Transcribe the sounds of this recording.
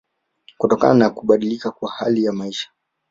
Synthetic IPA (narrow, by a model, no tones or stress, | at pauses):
kutɔka̰nanakuɓaɗilikakwahalijamaiʃḁ